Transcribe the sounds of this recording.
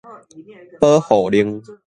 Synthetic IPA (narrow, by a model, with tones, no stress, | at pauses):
pəː˦ho˧˩˨ɗi˧˩ŋ